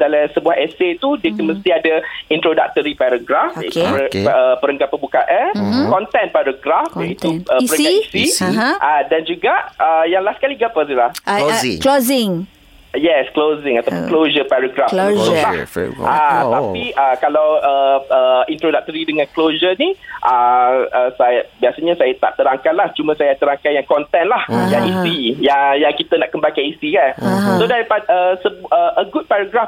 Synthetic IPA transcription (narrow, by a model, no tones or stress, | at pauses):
dalasəbuaheset̪udiəkənməst̪iadaint̪ɾoda̰k̚t̪əɾipaɾaɡɾafit̪uəpəɾəŋkat̪̚pəbukaʔankɔnt̪ɛnpaɾaɡɾafait̪uəəɾəŋkaisiʔadand͡ʒuɡaʔəjaŋlahskaliɡapədilahklozɪŋ | jɛsklozɪ̃ŋat̪awpunklod͡ʒəpaɾaɡɾafula̰at̪apiəkalawəəint̪ɾodak̚t̪əɾidəŋãnklod͡ʒəniʔəəsajabiasaɲãsajat̪a̰ʔt̪əɾaŋkanlaht͡ʃumãsajat̪əɾaŋkanjaŋkɔnt̪ɛnlahjaŋisijaŋjaŋkit̪anaʔkəmbakanisikansodaɾipadəsəbəʔəɡut̪̚paɾaɡɾaf